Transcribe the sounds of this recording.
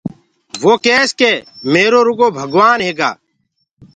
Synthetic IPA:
ʋoːkeːskeːmeːɾoːɾʊɡoːbʱəɡʋaːnɦeːɡa̰ː

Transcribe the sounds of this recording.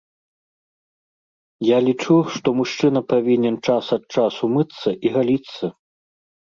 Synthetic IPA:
jalʲit͡ʂuʂt̪ɔmuʂt͡ʂɨnɐpavʲinʲɛnt͡ʂasɐt̪̚t͡ʂasumɨt̪sːɐʔiɣalʲit̪sːɐ

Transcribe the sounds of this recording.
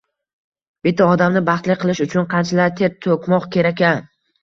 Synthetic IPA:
b̥ɪt̪ʰːaɒd̪amnɪbɑχt̪lɪqʰɨlˠɪʃʊt͡ʃʰʊnqʰɑnt͡ʃʰalaɾt̪ʰeɾt̪ʰokʲmɒqkʲe̞ɾakʲan

